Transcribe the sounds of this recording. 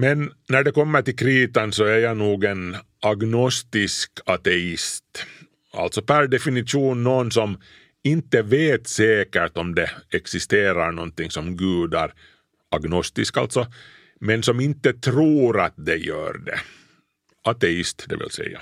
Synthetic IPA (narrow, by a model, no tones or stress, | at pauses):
mɛnːæɖɛkɔmːəʈɪlkʰɾiːt̪ɑnsɔæɾjɑnuːɡɛn | ɑɡnɔst̪ɪskʰɑt̪ɛɪst̪ | a̰lt̪sɔpʰæɾɖɛfɪnɪt̪ʃuːnːoːnsɔm | ɪnt̪ːəveːt̪seːkəʈ̪ɔmd̪ɛɛksɪst̪eːɾaɾɳɔnt̪ɪŋsɔmɡʉːd̪æɾ | ɑɡnɔst̪ɪska̰lt̪sɔ | mɛnsɔmɪnt̪ːət̪ʰɾuːɾat̪̚d̪ɛjø̰ːɾɖɛ̰ | ɑt̪ɛɪst̪d̪ɛ̰ʋɪ̰lsɛ̰jːa̰